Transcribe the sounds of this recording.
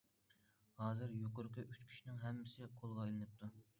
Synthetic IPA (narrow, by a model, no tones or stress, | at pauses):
hɑːzɨɾjoqʊɾqʰɨʔyt͡ʃkʲʰi̥ʃinɪŋɦɛmːɪsɪqʰolˠʁɑjlˠɨnɨp̚t̪ʰu